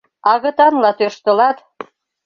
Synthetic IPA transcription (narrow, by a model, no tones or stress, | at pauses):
ɑɣɤ̆t̪ɑnlɑt̪øʃt̪ɤ̆lɑt̪